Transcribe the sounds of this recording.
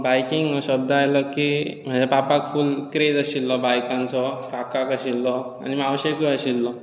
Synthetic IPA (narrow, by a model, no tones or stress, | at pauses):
bajkiŋɡnɔɕəb̚d̪əajlɔkim̤əd͡zepapakfuːlkɾed͡zəɕilːɔbajkãnt͡sɔt̪akakəɕilːɔ | a̰nimaʋəɕekuəɕilːɔ